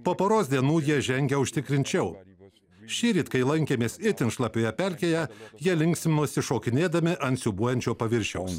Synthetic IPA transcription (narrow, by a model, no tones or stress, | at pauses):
poːpoːɾoːsʲd̪ʲiɛnuːjiɛʒʲɛŋʲɡʲɛʊʃʲt̪ʲɪkɾʲɪnʲt͡ʃʲɛʊ | ʃʲiːɾʲiːt̪kɐɪlˠɐŋʲkʲeːmʲeːsɪt̪ʲɪnʃlˠɐpʲoːjɛpʲɛlʲkʲeːjɛjiɛlʲɪŋʲksʲmʲnʊɔsʲɪʃoːkʲɪnʲeːd̪ɐmʲɪʔɐnt̪ʲsʲuːbuɔjɛnʲt͡ʃʲoːpɐʋʲɪɾʲʃʲɛʊs